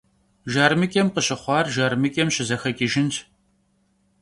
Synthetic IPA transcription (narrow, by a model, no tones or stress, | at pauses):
ʒaːrmɨkʲʼɛmqəɕɪχʷɑːrʒaːrmɨkʼɛmɕɪzɐxɐkʲʼiʒɪntʰ